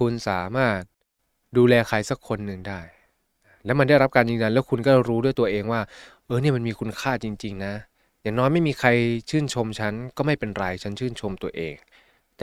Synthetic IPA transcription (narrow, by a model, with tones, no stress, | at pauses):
kʰu˧nsaː˩˦maː˥˩t̪̚ | duː˧lɛː˧kʰa˧jsa˦˥kʰːo˧nːɯ˨ŋdaː˥˩j | lɛː˦˥ma˧nda˥˩jɾa˦˥p̚kaː˧njɯː˧ŋza˧nlɛː˦˥wkʰu˧nkɔː˥˩˥ɾuː˦˥du˥˩əjt̪u˧ɐʔeː˧ŋwaː˥˩ | ʔɤː˧ni˥˩ɐma˧nmiː˧kʰu˧nkʰaː˥˩t͡ɕi˧ŋt͡ɕi˧ŋna˦˥ | jaː˨˩ŋnɔː˦˥jma˥˩jmiː˧kʰa˧jt͡ɕʰɯː˥˩nt͡ɕʰo˧mt͡ɕʰa˦˥nkɔː˥˩ma˥˩jpe˧nɾa˧jt͡ɕʰa˦˥nt͡ɕʰɯː˥˩nt͡ɕʰo˧mt̪u˧ɐʔḛː˧ŋ | t̪